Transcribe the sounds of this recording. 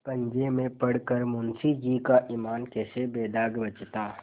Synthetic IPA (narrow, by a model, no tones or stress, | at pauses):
pə̃ɲd͡ʒemẽpəɽkəɾmʊnsid͡ʒiːkaʔiːmaːnkɛːsebeːd̪aːɡbət͡ʃt̪aː